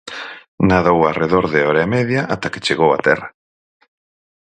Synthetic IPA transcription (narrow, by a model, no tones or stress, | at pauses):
naðowareðoɾðeɔɾamɛðjaʔat̪ake̥t͡ʃeɣowa̰t̪ɛra